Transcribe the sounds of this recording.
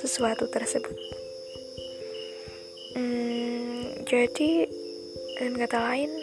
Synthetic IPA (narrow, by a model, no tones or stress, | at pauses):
səsuat̪ut̪ərsəbʊt̪̚ | d͡ʒadi | ənkat̪alaɪn